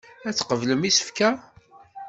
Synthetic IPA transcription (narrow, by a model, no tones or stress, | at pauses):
æt͡sːqəvləmisə̥fkæ